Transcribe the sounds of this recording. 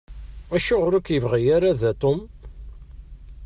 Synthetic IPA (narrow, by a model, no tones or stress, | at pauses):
æʃʊʁɾækjəvʁijaɾaðæt̪ˤom